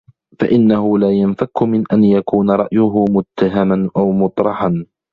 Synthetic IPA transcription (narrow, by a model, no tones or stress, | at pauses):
fa̰ʔɪnːaɦʊlaːjanfakːʊmɪnʔanjakuːnaɾˤɑʔjʊɦʊmʊt̪ːaɦamanʔawmʊt̪ˤɾˤɑħan